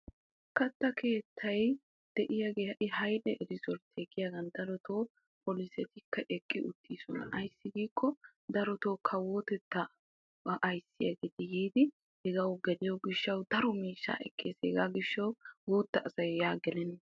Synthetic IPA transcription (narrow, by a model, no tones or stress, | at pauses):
kɐt̪ːɐkʰe̞ːt̪ʰːɐj | d̪̥ɛʔɪjaɡeːɐʔɪɦɐjᶑɛʔɛɾɪsɔɾt̪ʰːeːɡɪjaɡɐnd̪ɐɾɔt̪ʰo̞ː | pɔlɪsɛt̪ɪkʰːɐʔɛkʼːɪʊt̪ʰːiːsɔnɐ̰ʔɐjsːɪɡiːkːɔ | d̪ɐɾɔt̪o̞ːkʰɐwot̪ɛt̪ːɐ | ɐʔɐjsːɪja̰ɡeːt̪ɪjiːd̪ɪ | hɛɡɐwɡɛlɪjɔɡɪʃːɐwd̪ɐɾɔmiːʃːa̰ːʔɛ̰kʼːeːsɛ̰ɡaɡɪʃːɐwɡuːt̪ːɐʔːsɐjjaːɡɛlɛnː